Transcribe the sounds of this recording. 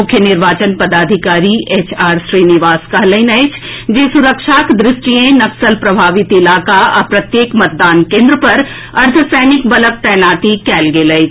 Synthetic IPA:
ʊkʰjənɪɾʋaːt͡ʃənpɐd̪aːd̪ʱɪkaːɾieːt͡ʃaːɾʃɾiːnɪʋaːskɐɦlə̃ɪnɐɪt͡ʃʰ | d͡ʒeːsʊɾəkʃaːkd̪ɾɪʃʈijẽnɐksəlpɾɐbʱaːʋɪt̪ɪlaːkaɐpɾɐt̪jeːkmɐt̪̚d̪aːnkẽːnd̪ɾəpɐɾ | ɐɾt̪ʰəsɛːnɪkbɐlək̚t̪ɛːnaːt̪ikɛːlɡeːləɪt͡ʃʰ

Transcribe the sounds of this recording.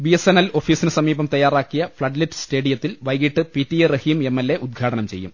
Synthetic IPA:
biesenːɐlo̞fiːsinɨsɐmiːbɐmt̪ɐjːaːraːkːijɐfɭɐɖliʈːɨ̥ste̞ːɽijɐt̪ːilʋɐjɡiʈːɨpitːierɐhiːme̞mːelːe̞ʔud̪̚ɡʰʱaːɽɐnɐmt͡ɕe̞jːṵm

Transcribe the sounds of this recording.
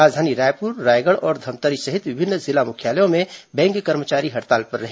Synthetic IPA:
aːd͡ʒd̪ʱaːniɾaːjpuɾːaːjɡəɽɔːɾd̪ʱɐmt̪əɾisɐɦɪt̪ʋɪbʱɪnːzɪlamʊkʰjaːləjõmẽbɛ̃ːŋkkəɾmət͡ʃaːɾiɦɐɽt̪aːlpɐɾːɐɦe

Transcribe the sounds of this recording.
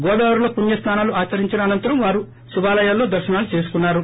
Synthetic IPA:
ɡɔːd̪aːʋɐɾuloːpuɳjɐst̪ʰaːnaːluaːt͡ʃɐɾiɲt͡ʃinɐːnɐnt̪ɐɾɐmʋaːɾu | subaːlɐjaːlːo̞ːd̪ɐɾʃɐnaːlut͡ʃe̞ːsu̥kunːaːɾu

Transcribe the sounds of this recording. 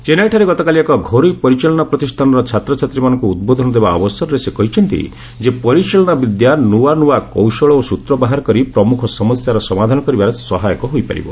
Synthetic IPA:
t͡ʃenajʈʰaɾeɡɔt̪ɔkaliekɔɡʱoɾujpɔɾit͡ʃɔlɔnapɾɔt̪ist̪ʰanɔɾɔt͡ʃʰat̪ɾɔt͡ʃʰat̪ɾimanɔŋkuːd̪̚bod̪ʱɔnɔd̪ebaɔbɔsɔɾɔɾesekɔɦit͡ʃʰɔnt̪ḭ | d͡ʒepɔɾit͡ʃɔlɔnabid̪januwanuwakɔwsɔɭɔosut̪ɾɔbaɦaɾɔkɔɾipɾɔmukʰɔsɔmɔsjaɾɔsɔmad̪ʱanɔkɔɾibaɾesɔɦajɔkɔɦojpa̰ɾḭbɔ

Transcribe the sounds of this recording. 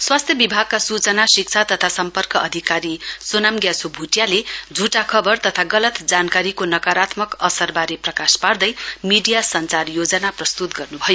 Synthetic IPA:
swast̪ʰjʌbibʱaɡ̚kasut͡sʌnasik̚t͡sʰat̪ʌt̪ʰasʌmpʌrkʌʔʌd̪ʱikaɾisonamɡjasobʱuʈjaled͡zʱuʈakʰʌbʌrt̪ʌt̪ʰaɡʌlʌt̪d͡zankaɾikonʌkaɾat̪mʌkʌsʌrbaɾeprʌkaspard̪ʌjmiɖijasʌnt͡sarjod͡zʌnaprʌst̪ut̪ɡʌrnubʱʌjo

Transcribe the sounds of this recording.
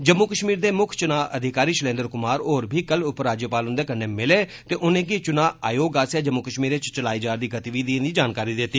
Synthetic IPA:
d͡ʒəmːuːkəʃmiːɾd̪eːmʊkʰt͡ʃʊnaːʔəd̪ʱɪkaːɾiːʃəlẽːnd̪əɾkʊmaːɾoːɾbʱiːkəlʊpɾaːd͡ʒjəpaːlɦʊ̃nd̪eːkəneːmɪleːt̪eːʔʊnẽːɡit͡ʃʊnaːʔaːjoːɡaːsjaːd͡ʒəmːuːkəʃmiːɾeːt͡ʃt͡ʃəlaːiːd͡ʒaːɾd̪iːɡət̪iːʋiːd̪iːnd̪iːd͡ʒaːnkaːɾiːd̪ɪt̪ːiː

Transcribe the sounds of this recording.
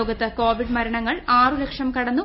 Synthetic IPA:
oːɡɐt̪ːɐko̞ːʋiɖmɐɾɐɳɐŋːɐɭaːrulekʂɐmkɐɽɐnːu

